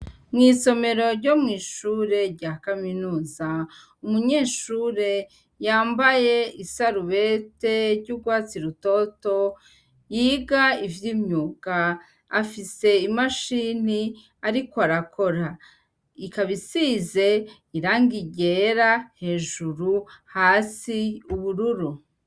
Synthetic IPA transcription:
mŋiːso̞me̞ɾo̞ɾɟo̞mŋiːʃuːɾe̞ɾɟaːkaminuːza | umuɲeːʃuɾe̞ | jaːmbaje̞isaɾuβe̞te̞ɾɟuːɡwaːt͡siɾuto̞to̞ | jiːɡaivjiːmɲuːkaː | fise̞imaʃini | aɾikoaɾako̞ɾa | ikaβisize̞ | iɾaːŋɡiɟe̞ɾahe̞ːʒuɾuhaːsiuβuɾuɾu

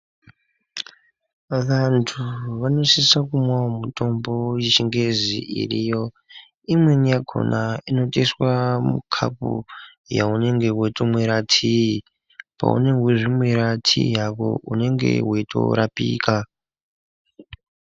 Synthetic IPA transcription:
ʋantʰuʋano̞sisakumwaomuto̞mbo̞jet͡ʃiŋɡe̞ziʔḭrijo̞ | imwenijaɡʱo̞̰nʔaino̞tʼeswamukʰa̰pṵ | jaune̞ŋɡe̞weitomweɾatʰii | pa̰ṵne̞ŋɡweʐimweɾatʰḭjako̞̰une̞ŋɡe̞̰weito̞̰ɾapiːka

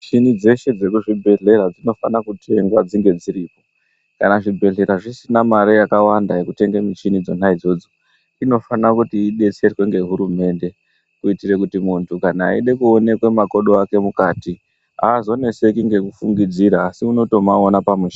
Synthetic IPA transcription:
t͡ʃinid͡ze̞ʃe̞d͡ze̞kuʐibʱe̞ɮe̞ɾad͡zino̞fanakutʰe̞ŋɡwad͡ziŋɡe̞d͡ziɾiːpo̞ | kanaʐibʱe̞ɮe̞ɾaʐisinamaɾejakawandaje̞kute̞ŋɡemit͡ʃinid͡zo̞naid͡zo̞d͡zo̞ | ino̞fanakutiːɗe̞t͡se̞rwe̞ŋɡe̞ɦuɾume̞nde̞ | kuitire̞kutimuntʰukana̰ːiɗe̞kuone̞kwemako̞ɗoake̞mukaːti | ɦaːzo̞ne̞se̞kiŋɡe̞kufuŋɡid͡ziɾaːsiuno̞to̞maonapameʃa

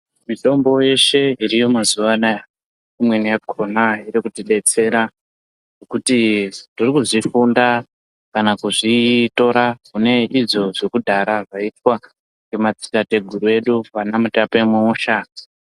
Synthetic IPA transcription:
mito̞mbo̞je̞ʃe̞iɾijo̞mazuʋanaja | imwe̞nijakʰonaiɾikutiɗe̞t͡se̞ɾa | nokutitirikuʐifunda | kanakuʐito̞ɾakune̞ʔiʐo̞ʐekudʱaɾaʐaitwa | ɡemat͡si̥tate̞ɡʱuɾue̞ɗupanamutape̞muuːʃa

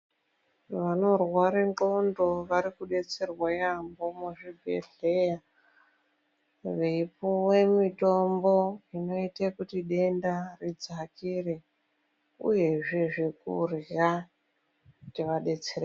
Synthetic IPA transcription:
ʋano̞rwaɾiŋko̞ndo̞ʋaɾikuɗe̞t͡se̞rwajambomuʐibʱḛɬeja | ʋeipuwe̞mito̞mbo̞ino̞itekutiɗe̞ndarid͡zakire̞ | ṵje̞ʐeʐikṵrja | tiʋaɗe̞t͡seɾa

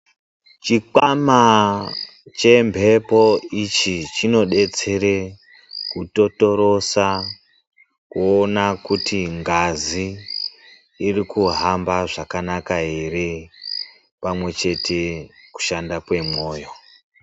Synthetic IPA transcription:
t͡ʃiǃama | t͡ʃe̞mbʱe̞po̞it͡ʃit͡ʃino̞ɗe̞t͡se̞ɾe̞ | kuto̞to̞ɾo̞sa | kuonakutiŋɡazi | rikuɦambaʐakanakaeɾe | pamwe̞t͡ʃe̞tʰe̞ku̥ʃandapwe̞mo̞ːjo̞

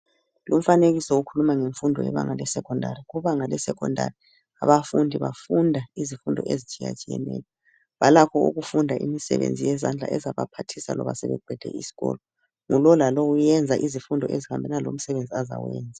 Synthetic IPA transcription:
lum̩faneɣisɔukʰulumaŋeɱfundʱɔ̰jɛ̰βa̰ŋalɛsɛkʰʼɔndʱaɾiɣuβaŋalɛsɛkʰʼɔndʱa̰ri | a̰βafundʱiβafundʱaizifundʱɔ̰ʔezit͡ʃʼija̰t͡ʃʼijɛ̰nɛ̰ːjɔ | βalakʰɔṵɣufundʱaʔḭmisɛ̰βḛnd͡zʱijɛzand͡ɮʱa̰ʔɛzaβapʰatʰisalɔβa̰sɛβɛɡ͡ǃ̥ʱɛd̥ʱɛ̰isi̥ɣɔ̰lɔ | ŋulɔlaloɣujɛnd͡zʱaʔizifundʱɔʔezihambʱɛnalom̩sɛβend͡zʱiaza̰wɛːnd͡zʱa

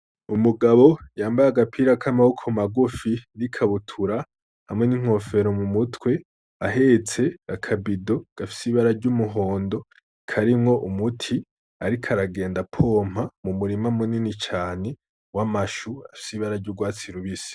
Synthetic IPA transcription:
umuɡaβo̞jaːmbajaɡapʰiɾakʰamahokʰomaɡufinikʰaβutʰuɾa | hamŋe̞niŋ̥o̞fe̞ɾo̞mumutwe̞ | aɦe̞t͡se̞ɡakʰabido̞ɡ̥afi̥siβaɾaɾɟumuɦo̞ːndo̞ | kʰaɾimŋo̞ʔumutʰi | aɾikʰaɾaɡe̞ːndapʰo̞ːm̥hamumuɾimamuninit͡ʃaːne̞ | wamaʃuafi̥siβaɾaɾɟuɡwaːt͡siɾuβisi̥

